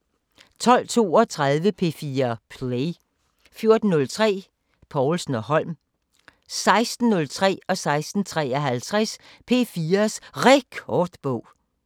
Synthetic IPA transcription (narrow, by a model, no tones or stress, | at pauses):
t͡sʰɒ̽l̰t͡sʰo̝̰ːɒ̽t͡sʰʁað̞ˠʋəpʰe̝̰ːfiːɐpʰle | fjo̝ɐd̥n̩ːɔ̽lt͡sʰʁɛ̰ː | pʰɒʊlsn̩ɒhɒ̽l̰m | sɑ̈ɪsd̥n̩ːɔ̽lt͡sʰʁɛ̰ːɒ̽sɑ̈ɪsd̥n̩t͡sʰʁɛ̰ːɒɦælt͡sʰʁaspʰe̝̰ːfiːɐsʁeɡ̥ʰɒd̥b̥ɔʊ̰